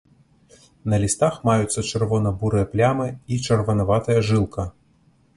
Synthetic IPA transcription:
nɐlʲist̪axmajut̪sːɐt͡ʂɨrvɔnɐbuɾɨjɐplʲamɨit͡ʂɐrvɐnɐvat̪ɐjɐʐɨlˠkɐ

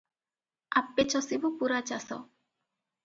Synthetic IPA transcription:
a̰pːet͡ʃɔsibupuɾat͡ʃasɔ̰

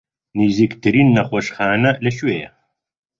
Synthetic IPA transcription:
niːziːkt̪ʰɨɾiːnːɐχʷoʃχaːnɐlɐʃweːjɐ̰

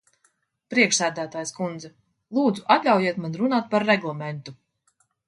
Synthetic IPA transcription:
pɾiɛkʃsæːd̪æːt̪aːjskund̪zɛ | lˠuːd̪zuʔat̪lʲawjiɛt̪manɾunaːt̪̚paɾːɛɡlˠamɛnt̪u

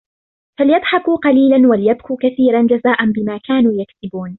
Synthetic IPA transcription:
falɪjɑd̪ˤħɑkuːqɑliːlanwalɪjab̚kuːkaθiːɾand͡ʒazaːʔanbɪmaːkaːnuːjaksɪbuːn

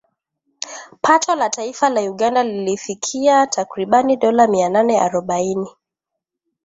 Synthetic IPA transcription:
pʰatʰɔlataifalajuɠandalilifikʰiatʰakɾiɓaniɗɔlamiananɛa̰ɾɔɓaini

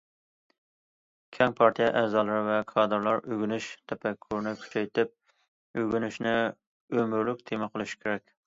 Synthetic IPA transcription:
kʲʰɛŋpʰɑɾt̪ʰijɛʔɛːzɑːlˠɾvɛkʰɑːd̪ɨɾlˠɑɾøɡʲynyʃt̪ʰɛpʰɛkʲʰːuɾnɪkʲʰy̥t͡ʃʰɛjt̪ɪp̚ | øɡʲynyʃnɪ | ømyɾlykʲt̪ʰemɪqʰəlˠɨʃi̥kʲʰeɾɛkʲ

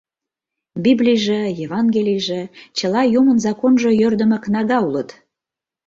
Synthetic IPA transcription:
biblʲijʒejevɑnɡelʲijʒĕt͡ɕə̆lɑjumənzɑkonʒŏjørd̪ə̆mə̆knɑɣɑulət̪

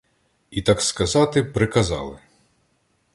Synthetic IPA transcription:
it̪ɑkskɐzɑt̪ɪpɾɪkɐzɑ̰lˠɪ

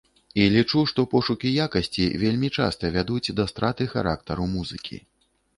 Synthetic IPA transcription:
ilʲit͡ʂuʂt̪ɔpɔʂukʲijakɐsʲt͡sʲḭvʲelʲmʲit͡ʂa̰st̪ɐvʲad̪ut͡sʲd̪ɐst̪ɾat̪ɨxa̰ɾa̰kt̪ɐɾumuzɨ̰kʲḭ

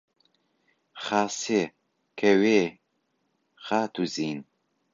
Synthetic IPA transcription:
χaːse | kʰɐweː | χaːt̪ʰuziːn

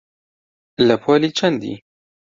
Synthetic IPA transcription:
ləpʰoːliːt͡ʃʰɐnd̪ḭ

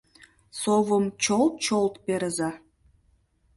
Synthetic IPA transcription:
soβəmt͡ɕolˠt̪̚t͡ɕolˠt̪peɾəzɑ

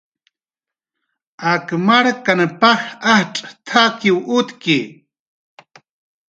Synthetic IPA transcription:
akmaɽkanpaxahʈ͡ʂʼt̪ʰakiwut̪ki

